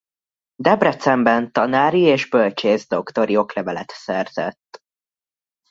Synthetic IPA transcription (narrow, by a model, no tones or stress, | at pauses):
d̪ɛbrɛt̪sɛmbɛnt̪ɒnaːɾieːʒbølt͡ʃeːzd̪o̞kt̪o̞ɾio̞klɛvɛlɛt̪sɛrzɛ̰t̪ː